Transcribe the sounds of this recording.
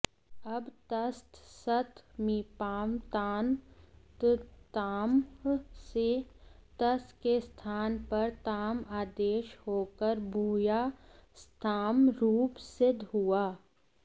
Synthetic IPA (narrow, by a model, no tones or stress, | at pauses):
ɐbt̪ɐst̪sɐt̪miːpaːmt̪aːnt̪t̪aːmset̪ɐst̪kest̪ʰaːnpɐɾt̪aːmaːd̪eːʃhoːkəɾbʱuːjast̪ʰaːmɾuːpsɪd̪ʱɦʊaː